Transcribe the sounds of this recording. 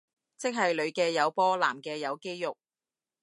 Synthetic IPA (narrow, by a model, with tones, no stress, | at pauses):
t͡sɪ˥k̚ɦɐ˨jlɵ˨˧ɥkɛː˧jɐ˨˧wpɔː˥laː˨˩mkɛː˧jɐ˨˧wke˥jjʊ˨k̚